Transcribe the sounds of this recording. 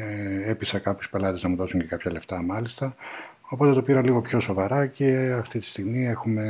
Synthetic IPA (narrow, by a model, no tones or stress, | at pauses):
episɐkɐpçu̥spe̞lɐt̪e̞znɐmuðo̞suɲce̞kɐpçɐle̞ft̪ɐmɐlist̪ɐ | o̞po̞t̪e̞t̪o̞piɾɐliɣo̞pço̞so̞vɐɾɐce̞ɐft̪it̪i̥st̪iɣmie̞xume̞